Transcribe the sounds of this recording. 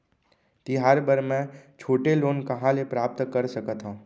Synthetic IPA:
t̪iɦaːɾbəɾmɛ̃t͡ʃʰoːʈeloːnkɐɦãlepɾaːp̚t̪kəɾsəkət̪ɦãː

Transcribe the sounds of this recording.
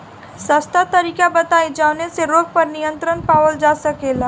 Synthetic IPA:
sɐst̪at̪ɐɾiːkabɐt̪aːid͡ʒaːʋneseɾoːɡ̚pɐɾnijə̃nt̪ɾənpaːʋəld͡ʒaːsɐkeːlaː

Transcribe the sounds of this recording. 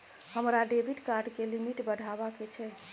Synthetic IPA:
həmɾaɖebʱiʈkaɾɖkelimiʈbədʱabaket͡ʃʰɛ

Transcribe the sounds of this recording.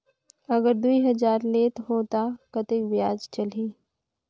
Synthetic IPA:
ɐɡəɾd̪uiɦɐzaːɾleːt̪ɦoːt̪akɐt̪ɪkʋjaːd͡ʒt͡ʃɐliː

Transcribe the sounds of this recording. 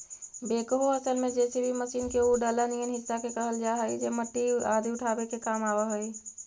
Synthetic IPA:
beːkɦoəsəlmẽd͡ʒɛːsibʱiməʃiːnkeuɖələnijənɦɪsːakekəɦəld͡ʒaːɦəid͡ʒeməʈːiaːd̪ʱiʊʈʰaːbekekaːmaːbəɦəi

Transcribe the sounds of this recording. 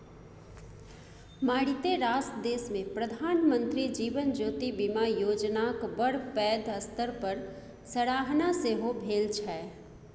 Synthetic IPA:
maːɽit̪eɾaːsd̪eːsmẽpɾəd̪ʱaːnmə̃nt̪ɾid͡ʒiːʋənd͡ʒoːt̪ibɪmajoːd͡ʒnakbəɽ̤pɛːd̪əst̪əɾpəɾ | səɽaːɦnaseɦobʱeːlt͡ʃʰɛː

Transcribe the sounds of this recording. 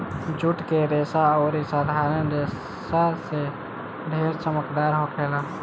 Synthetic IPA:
d͡ʒuʈkeɾeːsaɔːɾisaːd̪ʱaːɾənɾe | sase | ɖʱeːɾt͡ʃəməkd̪aːɾɦokʰeːlaː

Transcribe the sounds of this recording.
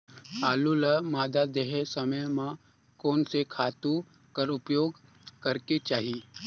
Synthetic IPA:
aːluləmaːd̪ad̪eɦesɐməjmã | koːnsekʰaːt̪u | kəɾʊpjoːɡ | kɐɾket͡ʃaːɦi

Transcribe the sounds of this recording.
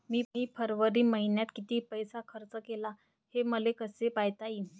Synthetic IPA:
miːiːpʰəɾʋəɾiːməɦinjat̪kit̪iːpəjsakʰəɾt͡səkela | heməlekəsepajt̪aiː

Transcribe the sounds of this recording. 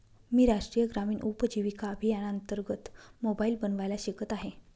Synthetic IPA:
miːɾaʂʈɾiːjəɡɾamiːnʔupəd͡ʑiʋikaəbʱijanaənt̪əɾɡət̪mobaiːlbənʋajlaɕikət̪aɦe

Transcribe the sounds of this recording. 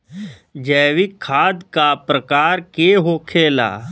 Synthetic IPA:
d͡ʒɛːʋɪkʰːaːd̪kapɾəkaːɾkeɦoːkʰeːla̰ː

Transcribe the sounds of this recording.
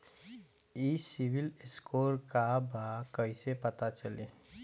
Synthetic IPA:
iːsɪwɪlɪskoːɾkabaːkəɦisepət̪at͡ʃəleː

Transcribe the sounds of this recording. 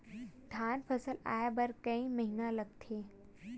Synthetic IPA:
d̪ʱanpʰəsəla̰jabəɾkəiməɦinãləɡ̚t̪ʰe

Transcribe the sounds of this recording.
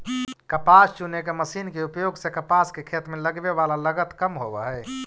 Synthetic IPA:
kəpast͡ʃunekeməsiːnkeupjoɡsekəpaskekʰet̪meləɡbeʋalaləɡət̪kəmɦobɛɦɛ

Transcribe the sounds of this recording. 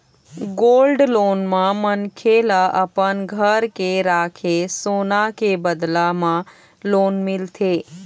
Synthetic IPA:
ɡolɖlonmãmənkʰelaʔəpənɡʱəɾkeɾaːkʰesonakebəd̪lamã | lonmɪlt̪ʰe

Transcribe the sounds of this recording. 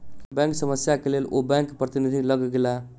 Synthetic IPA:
bɛ̃ŋksəməsjakelelʔobɛ̃ŋkpɾət̪inid̪ʱiləɡɡela

